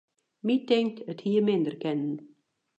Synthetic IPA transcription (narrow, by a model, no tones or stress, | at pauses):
mitɛŋ̚tʰəthiːəmɪ̃nd̪əɾkɛnən